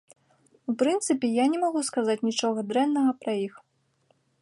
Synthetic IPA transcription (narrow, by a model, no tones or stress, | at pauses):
upɾɨnt̪sɨpʲɛjanʲɛmaɣuskazat͡sʲnʲit͡ʂɔɣɐd̪ɾɛnːɐɣɐpɾɐjix